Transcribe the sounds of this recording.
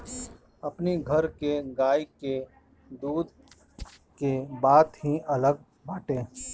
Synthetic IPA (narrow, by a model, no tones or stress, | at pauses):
ɐpniɡʱɐɾkeɡaːike | d̪uːd̪ | kebaːd̪ɦiɐləɡ̚ | baːʈẽː